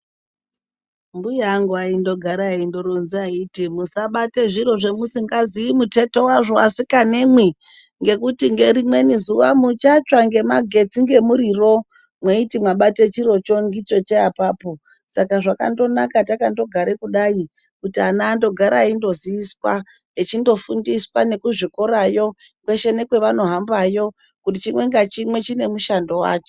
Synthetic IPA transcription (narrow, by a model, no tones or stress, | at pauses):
mbujaŋɡaindo̞ɡʱaɾaindo̞ɾonziaitimusaɓate̞ʐiɾo̞ʐe̞musiŋɡaziimute̞to̞waʐo̞asikane̞mwi | ŋɡe̞kutiŋɡe̞rimwe̞nizuʋamut͡ʃat͡ʃwaŋɡe̞maɡʱe̞t͡siŋɡe̞muɾiro̞ | mweitimwaɓate̞t͡ʃiɾo̞t͡ʃo̞ŋɡit͡ʃo̞t͡ʃeapaːpo̞ | sakaʐaka̰ndo̞nakatakando̞ɡʱaɾekuɗai | kutianaːndo̞ɡʱaɾaindo̞ziʋiswa | et͡ʃindo̞fundiswane̞kuʐikoɾajo̞ | kwe̞ʃe̞ne̞kwe̞ʋano̞ɦambajo̞ | kutit͡ʃimwe̞ŋɡat͡ʃimwe̞t͡ʃine̞muʃando̞wa̰ːt͡ʃo